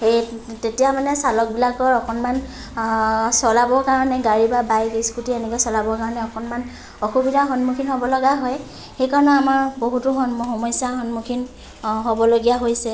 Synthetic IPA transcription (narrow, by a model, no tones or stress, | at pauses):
etetijamanɛsalɔk̚bilakɔɹɔkɔnman | sɔlabɔkaɹɔnɛɡaɹibabajɡiskutienɛkɔsɔlabɔkaɹɔnɛɔkɔnman | ɔxubidʱaxɔnmukʰinɦɔbɔlɔɡaɦɔj | xejkaɹɔnɔamaɹboɦutʊxɔnxɔmɔjsjaxɔnmukʰin | ɦobɔloɡijaɦojsɛ